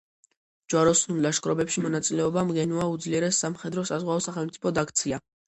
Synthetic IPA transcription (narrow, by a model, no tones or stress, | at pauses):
d͡ʒwaɾɔsnullaʃkʼɾɔbɛpʃimɔnat̪sʼilɛɔbamɡɛnuaud̪zliɛɾɛsːamχɛd̪ɾɔsazʁwaɔsaχɛlˠmt̪sʼi̥pʰɔd̪akʰt̪sʰia